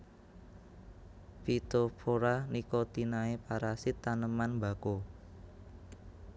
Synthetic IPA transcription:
pit̪opʰoɾanikot̪inaepaɾasɪt̪ːanəmanmba̤ko

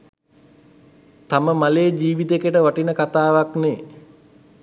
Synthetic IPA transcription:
t̪aməmaleːd͡ʒiːʋit̪ekəʈəʋaʈinəkat̪aːʋakne

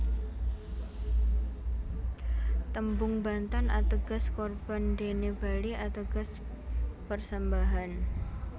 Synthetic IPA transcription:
t̪əmbʊŋbant̪anat̪əɡaskɔrb̥andeneb̥aliʔat̪əɡ̥as | pərsəmbaɦan

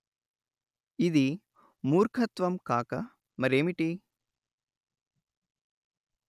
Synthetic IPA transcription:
id̪i | muːɾkʰɐt̪ʋɐmkaːkɐ | mɐɾeːmiʈi

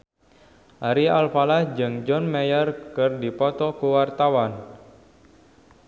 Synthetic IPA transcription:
ʔaɾialpalahd͡ʒɨŋd͡ʒɔnmɛjərkɨrdipɔt̪ɔkuwart̪awan

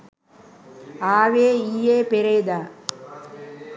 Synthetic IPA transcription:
aːʋeːijeːpeɾed̪aː

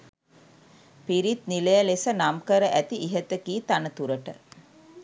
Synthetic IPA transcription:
piɾit̪niləjəlesənamkəɾəʔæt̪iʔiɦət̪əkiːt̪anət̪uɾəʈə̰

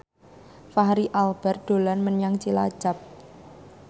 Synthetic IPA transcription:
faɦɾiʔalb̥ɛrd̪̥o̤lanmənjaŋt͡ʃila̰̥d͡ʒ̥a̤p̚

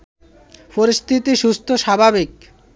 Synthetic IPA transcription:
poɾist̪ʰit̪iʃust̪ʰoʃabʱabik

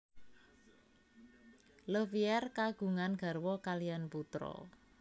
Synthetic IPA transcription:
ləfiɛrkaɡ̥ṳŋanɡ̥ä̤rwɔkalijanput̪ɾɔ̰

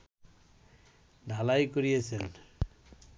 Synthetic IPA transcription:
dʱalajkoɾijet͡ɕʰen

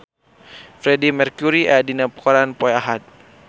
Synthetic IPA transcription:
fɾɛdimɛrkuɾiʔadinapə̥kɔɾanpɔaɦat̪̚

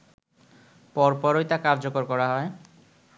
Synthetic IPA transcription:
pɔɾpɔɾojt̪akaɾd͡ʑokoɾkɔɾaɦɔe

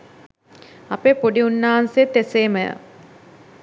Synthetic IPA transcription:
ɐpepuɖiunːaɦanset̪ːeseːməjə̰

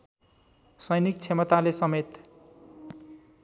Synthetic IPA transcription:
sʌjnik̚t͡sʰemʌt̪alesʌmet̪

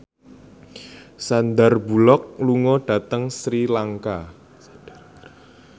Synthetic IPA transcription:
sand̪arbṳlɔk̚luŋɔɖ̥a̤t̪əŋsɾilaŋka

